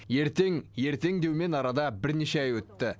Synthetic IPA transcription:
je̞ɾt̪e̞ŋje̞ɾt̪e̞ŋd̪e̞wme̞nɑɾɑd̪ɑbɪɾneʃeæjwɵt̪ːɪ

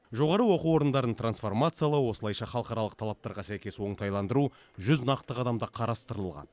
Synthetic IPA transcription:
ʒo̞ʁɑɾəwo̞quwo̞ɾənd̪ɑɾənət̪rɾansfo̞rmat̪sɨjalˠəwo̞səlˠɑjʃɑχɑlˠəqɑɾɑlˠəq̚t̪ʰɑlˠɑp̚t̪ɑɾʁɑsæjkʲe̞swo̞ɴt̪ʰɑjlˠɑnd̪əɾu | ʒʏznɑqt̪əʁɑd̪ɑmd̪əqʰɑɾɑst̪əɾəəlˠʁɑ̰n

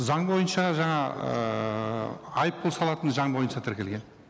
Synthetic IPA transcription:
zɑɴbo̞jənʃɑʒɑɴɑ̰ | ɑjəp̚qʰʊlˠsɑlˠɑt̪ənʒɑɴbo̞jənʃɑt̪ʰɪɾkʲe̞lɡʲe̞n

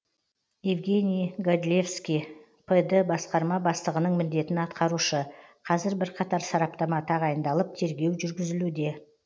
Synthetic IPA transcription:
jevɡʲe̞nʲijɡod̪ʲlʲefskʲij | pʰəd̪əbɑsqɑɾmɑbɑst̪ˠəʁənəɴmʏnd̪e̞t̪ɪnɑt̪qɑɾuʃəqʰɑzɪɾbɪɾqʰɑt̪ɑɾsɑɾɑp̚t̪ɑmɑt̪ʰɑʁɑjənd̪ɑlˠəp̚t̪ʰe̞ɾɡʲe̞wʒʏɾɡʲɪzɪlud̪e̞

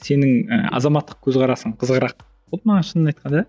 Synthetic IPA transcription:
se̞nɪŋə̰ɑ̰zɑmɑt̪ːə̥q̚kʲʰɵzqɑɾɑsəɴqʰəzəʁəɾɑq̚ | wolˠmɑɴɑʃənənɑjt̪̚qʰɑnd̪ɑ

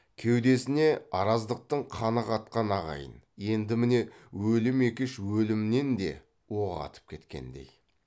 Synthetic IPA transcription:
kʲʰe̞wd̪e̞sɪne̞ɑɾɑzd̪əq̚t̪əɴqʰɑnəqɑt̪̚qɑnɑʁɑ̰jə̰nje̞nd̪ɪmɪne̞wɵlɪme̞kʲɪʃwɵlɪmne̞nd̪e̞̰ | wo̞ʁɑ̰t̪ʰə̥p̚kʲʰe̞t̪kʲe̞̰nd̪e̞̰j

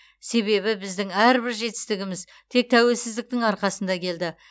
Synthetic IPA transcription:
se̞βe̞βɪbɪzd̪ɪŋæɾbɪɾʒe̞t̪ɪ̥st̪ɪɡʲɪmɪz | t̪ʰe̞k̚t̪ʰæwe̞lsɪzd̪ɪk̚t̪ɪŋɑɾqɑsənd̪ɑkʲʰe̞ld̪ɪ

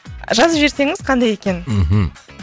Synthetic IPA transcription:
ʒɑzəpʒe̞ɾse̞ŋɪz̥qʰɑnd̪ɑje̞kʲe̞nm̩ɦ̩

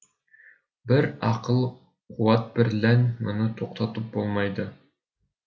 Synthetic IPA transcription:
bɘɾɑqɤlˠ | quwɑt̪̚bɘ̆ɾlænmŏnɤt̪ʰoqt̪ɑt̪ɤp̚bolˠmɑjd̪ɤ

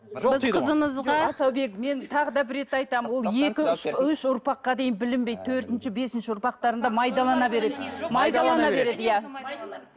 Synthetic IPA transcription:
bɪzqʰəzəməzʁɑɑsɑwbe̞kme̞nt̪ʰɑʁəd̪ɑbɪɾːe̞t̪ɑjt̪ɑmənwo̞lˠje̞kʲɪʏʃʏʃʊɾpɑqːɑd̪e̞jɪnbɪlɪmbejd̪̚t̪ʰɵɾt̪ɪnʃɪbe̞sɪnʃɪʊɾpɑq̚t̪ɑɾənd̪ɑmɑjd̪ɑlˠɑnɑbe̞ɾe̞d̪ɪmɑjd̪ɑlˠɑnɑbe̞ɾe̞d̪ɪjæ

